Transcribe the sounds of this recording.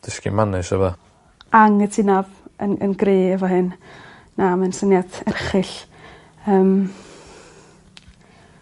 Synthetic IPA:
d̥ɪskḭmanɨsəvɔ | aŋətʰɪnabənə̰nɡreːəvɔɦɨnː | amɛnsənjadɛrχɨɬ | əːm

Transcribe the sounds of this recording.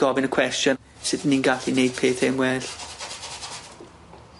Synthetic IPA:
ɔvɪnəkʰw̥ɛstjɔn | sɪðəniːnɡaɬinejd̥̚pʰeːθɪmwɛɬ

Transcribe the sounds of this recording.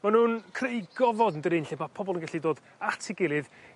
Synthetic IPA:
manuːnkʰrejɡɔvɔdndəɾɪnɬɛmapʰɔbɔlˠənɡaɬidoːd | atʰɪɡɪlˠɨð

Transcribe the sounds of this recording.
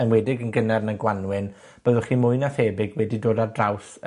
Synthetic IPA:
ənwɛdɪɡənɡənɛrnanɡwanwɪn | b̥əðʊχiːmʊɨnaθeːbɪɡwɛdidoːdardrawθ

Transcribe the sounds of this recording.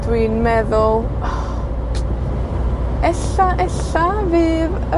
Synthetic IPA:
d̥wiːnmɛðʊlˠ | ɛɬaʔɛɬavɨːð | ə

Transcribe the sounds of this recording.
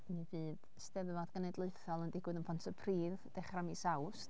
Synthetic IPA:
miviːð | stɛðvaðɡ̥ənɛdlˠʊɨθɔlˠəndɪɡwɨðənpʰɔntʰəpʰriːðd̥ɛχramisawst

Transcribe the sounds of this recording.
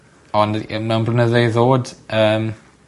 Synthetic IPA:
ɔndəmɛwnblənəðejðoːdəːm

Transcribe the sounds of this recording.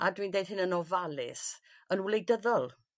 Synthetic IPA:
adwiːndejd̥hɪnənɔvalˠɪ̰s | ənwlˠejdəðɔlˠ

